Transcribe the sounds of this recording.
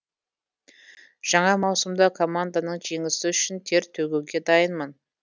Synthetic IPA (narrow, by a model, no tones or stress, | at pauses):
ʒ̥ɑɴɑmɑwsəmd̪ɑkʰo̞mand̪anəɴʒe̞ŋɪsɪʏʃɪnt̪ʰe̞ɾt̪ʰɵɡʲewɡʲe̞d̪ɑjənmən